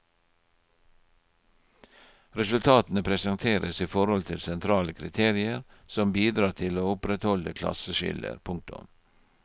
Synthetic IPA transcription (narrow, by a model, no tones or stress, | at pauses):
ɾɛsʉlt̪ʰɑːt̪n̩əpʰɾɛsɑnt̪ʰeːɾʔəsiːfɔɾhɔlt̪ʰɪlsɛnt̪ʰɾɑːləkʰɾɪt̪ʰeːɾɪəɾsɔmbiːd̪ɾɑːt̪ʰɪloːʊpɾɛt̪hɔləkʰlɑ̰səʃɪ̰lə̰ɾpʰʊŋk̚t̪ʊ̰m